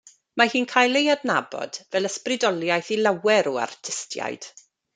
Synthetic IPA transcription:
mahiːnkʰaːjlˠejadnabɔ̰d̥vɛlˠəsprɪdɔlˠjajθilawɛɾɔa̰rtʰɪstʰja̰jd̥

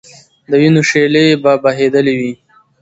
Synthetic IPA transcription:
d̪əwinoʂelebabaɦed̪əlewi

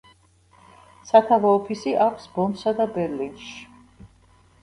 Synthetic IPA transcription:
sat̪ʰavɔːpʰisiʔakʷʰsbɔnsad̪abɛɾlinʃi̥

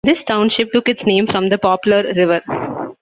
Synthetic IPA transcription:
d̪ɪsʈãʊ̃nʃɪp̚ʈʊkɪʈsnẽːmfɾɔ̃md̪əpɔːpjʊləɾːɪʋəɾ

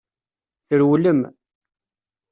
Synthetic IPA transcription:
θəɾwləm

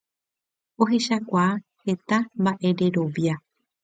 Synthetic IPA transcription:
o̞ɦe̞ʃakʷaːhe̞t̪ambaʔe̞ɾe̞ɾo̞ʋja

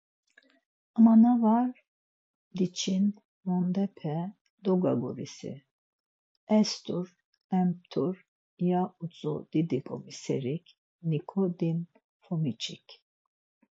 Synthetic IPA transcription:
amanavaɾ | d̪it͡ʃʰin | vɔnd̪ɛpʰɛ | d̪ɔɡa̰ɡɔɾḭsḭ | ɛst̪ʼuɾ | ɛmp̚t̪ʰuɾ | jaut͡sʼṵd̪̥id̪ikʼɔ̰misɛ̰ɾikʰ | nikʰɔd̪in | fɔmit͡ʃʰʼikʰ

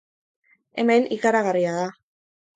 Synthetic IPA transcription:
e̞me̞nʔikaɾaɣariaða

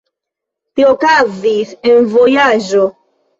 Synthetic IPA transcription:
t̪iokazisenvojaʒo

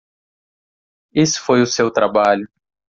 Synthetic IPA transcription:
isʊ̥fojʊsewt̪ɾabaʎʊ

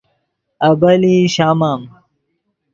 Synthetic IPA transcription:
ɐbɐliɕaːmaːm

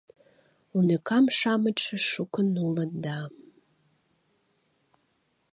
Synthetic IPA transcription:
unɐkʰamʂamɨʈ͡ʂʰɐʂukʷʰʊnulɐnda

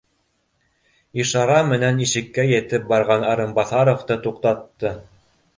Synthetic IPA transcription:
iʃɑɾɑmɘ̆næniʃɘ̆kːæjɘ̆t̪ɘp̚bɑɾʁɑnɑɾɤ̆mbɑθɑɾŏft̪ɤt̪uqt̪ɑt̪ːɤ

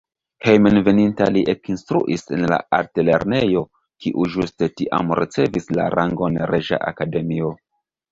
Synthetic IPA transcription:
hejmenve̞nintaliʔekinstɾuʔise̞nla̰aɾtele̞̰ɾne̞jo̞ | kiʔuʒuste̞tiʔa̰mɾʔit͡se̞visla̰ɾʔaŋɡonɾeʒa̰ʔa̰kade̞mio̞

